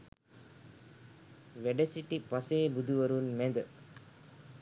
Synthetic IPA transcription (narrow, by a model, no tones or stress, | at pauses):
ʋeɖesiʈipɐseːbud̪uʋɐɾunmed̪ə